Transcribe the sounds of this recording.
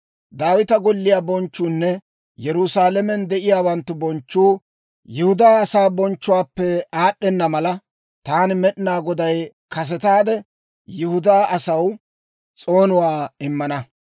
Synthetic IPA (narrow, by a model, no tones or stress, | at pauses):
d̪aːwɪt̪ɐɡɔlːɪjaːbɔnt͡ʃːuːnːɛ | jɛɾʊsaːlɛmɛnd̪ɛʔɪjaːwɐnt̪ːʊbɔnt͡ʃːuː | jʊhʊd̪aːɐsaːbɔnt͡ʃːʊwaːpːɛaːɗɛnːɐmɐlɐ | t̪aːnɪmɛɗɪnaːɡɔd̪ɐj | kɐs̬ɛt̪aːd̪ɛ | jʊhʊd̪aːʔɐsɐw | t͡sʼo̞ːnʊwaːɪmːɐnɐ